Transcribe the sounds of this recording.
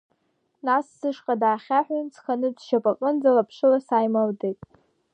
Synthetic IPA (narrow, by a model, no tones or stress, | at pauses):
nasːɨʂqʼadaːχʲaħʷᶣajnt͡sʰχanɨdʃapʼaqʼɨnd͡zalapʰʂɨlasajmaldetʼ